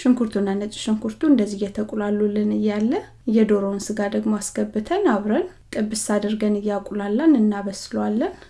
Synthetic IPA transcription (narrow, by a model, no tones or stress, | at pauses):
ʃɪŋkʰuɾt̪ʰunːanːət͡ʃʼʃɪŋkʰuɾt̪ʰuɨnd̪əzːihjɛt̪ʰəkʼulalːulɨnɨjːalːə | jɛd̪o̞ɾonsɨɡad̪əɡmoaskəbːɨt̪ʰənaβɾənt̪ʼɨbɨsad̪əɾɡənɨjːakʼulalːanɨnːaβəsɨləwalːən